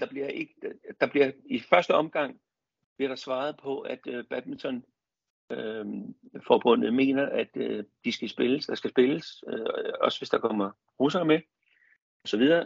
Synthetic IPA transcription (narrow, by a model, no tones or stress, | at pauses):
d̥ɑ̈b̥liɐ̰e̝ɡ̥əd̥d̥ɑ̈b̥liɐifɶɐsd̥əɒ̽mɡ̥ɑ̈ŋ̰ | b̥liɐɾ̥ɑ̈sʋɑ̈ːð̞̩ˠpʰɒ̽ʔæd̥b̥æ̥int͡sʰɒ̽n | fɒːb̥ɔ̽n̰ð̩ˠme̝̰ːnɐʔæd̥d̥isɡ̥æsb̥e̝ləsd̥ɑ̈sɡ̥æsb̥e̝ləsøɒ̽sʋe̝sd̥ɑ̈kʰɒ̽m̰ɐ | ʁus̬ɐme | ɒ̽sɒ̽ʋið̞ˠɐː